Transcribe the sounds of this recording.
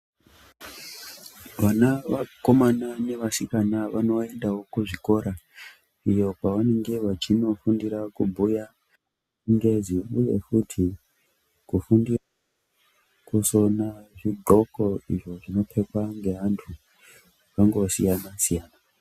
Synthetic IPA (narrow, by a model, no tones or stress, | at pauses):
ʋanaʋako̞manane̞ʋasikanaʋano̞e̞ndawo̞kuʐiko̞ɾa | ijo̞paʋane̞ŋɡe̞ʋat͡ʃino̞fundiɾakumbʱuja | ŋɡe̞ziuje̞̰kutʰi | kufundira | kusonaʐiɡʱo̞ko̞iʐo̞ʐino̞pʰe̞kwaŋɡe̞ɦantʰu | aŋɡosijanasijaːna